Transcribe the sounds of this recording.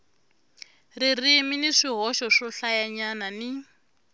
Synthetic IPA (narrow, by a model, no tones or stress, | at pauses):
ririminiʂiɦɔʃɔʂɔɬajaɲanani